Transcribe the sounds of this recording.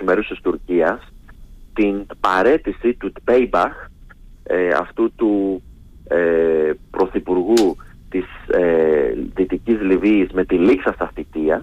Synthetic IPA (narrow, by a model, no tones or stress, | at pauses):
meɾusist̪uɾciɐst̪inpɐɾe̞t̪isit̪ubejbɐx | eɐ̰ft̪ut̪u | epɾo̞θipuɾɣu | t̪iseðit̪icizliviːzme̞t̪iliksɐst̪ɐθit̪iɐ